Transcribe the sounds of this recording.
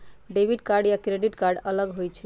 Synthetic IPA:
ɖebʱiʈkaɾɖjakɾeɖiʈkaɾɖələɡɦojt͡ʃʰɛ

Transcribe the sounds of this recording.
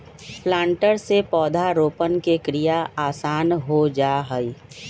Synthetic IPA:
pʰlãːɳʈəɾsepɔːd̪ʱaɾoːpənkekɾijaaːsaːnɦod͡ʒaːɦəi

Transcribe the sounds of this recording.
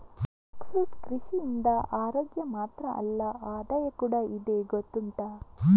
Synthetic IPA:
kfuːʈkɾiʃiind̪ɐʔaːɾoːɡjɐmaːt̪ɾɐʔɐ̰lːɐaːd̪ɐjɐkuːɽaid̪eɡot̪ːuɳʈa

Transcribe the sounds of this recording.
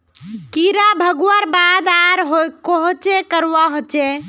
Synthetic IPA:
kiɾabʱəɡwaɾbad̪aɾɦojkoɦot͡ʃekəɾwaɦot͡ʃe

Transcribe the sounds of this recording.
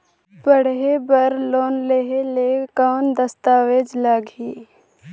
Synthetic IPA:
bəɽ̤ɦebəɾloːnleɦeleːkaːnd̪əst̪aːʋeːd͡ʒlaːɡiː

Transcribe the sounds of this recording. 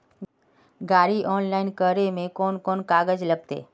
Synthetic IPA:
ɡaːɾiʔɔːnlaːɪnkəɾemẽkɔːnkɔːnkaːɡəd͡ʒləɡ̚t̪ḛː

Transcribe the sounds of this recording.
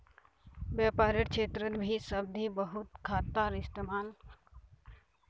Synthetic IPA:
bjaːpaːɾəʈkt͡ʃʰeːt̪ɾət̪bʱisəb̚d̪ʱibəɦʊt̪kʰaːt̪aːɾɪst̪emaːn

